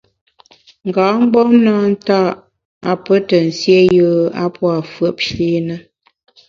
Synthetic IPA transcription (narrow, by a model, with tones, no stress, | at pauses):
ŋ̩˨ɡaː˨˦ŋ͡m̩˦ɡ͡bɔ˦mna˦n̩˦ta˦˨ʔ | a˨pə˦tə˨n̩˨sje˦jəː˦a̰˦pwa˨fə˦˨e˦nə˦